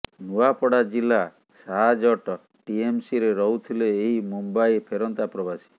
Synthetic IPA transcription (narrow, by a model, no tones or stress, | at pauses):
nuapɔɽad͡ʒila | saɦd͡ʒɔʈɔ | ʈiemsiɾeɾɔɦut̪ʰileːɦimumbajpʰeɾɔnt̪apɾɔbasi̥